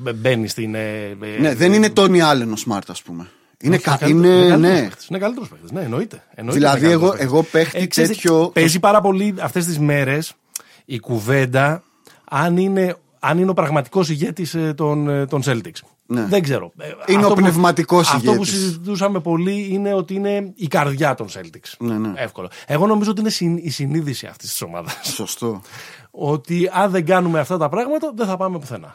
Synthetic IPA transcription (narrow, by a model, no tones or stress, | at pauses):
be̞nist̪ineneðeninet̪oniɐlenosmɐ̰ɾt̪ɐspume | ineɐineɐlneset̪e̥sinekɐlit̪eɾospext̪e̥zneːno̞it̪e̥ːno̞iilɐðieɣoeɣopext̪isesiçopezipɐɾɐpo̞liɐft̪e̞st̪izme̞ɾe̞s | ikuve̞nd̪ɐ | ɐnine̞ | ɐnineo̞pɾɐɣmɐt̪i̥ko̞siʝe̞t̪ist̪ont̪o̞nse̞lt̪iks | neðeɡze̞ɾo̞̰inotopnevmɐt̪ikosɐffʝotpusizit̪usɐme̞po̞liine̞o̞t̪iine̞ikɐɾðʝɐt̪o̞nse̞̰lt̪iksnefko̞lo̰e̞ɣo̞no̞mizoot̪̬inesiːsiniðisiɐ̰ft̪i̥st̪i̥so̞̰mɐ̰ðɐssost̪o | o̞t̪iɐnðe̞ɡɐnumeɐft̪ɐt̪ɐpɾɐɣmɐt̪ɐðeθɐpɐme̞puθe̞nɐ̰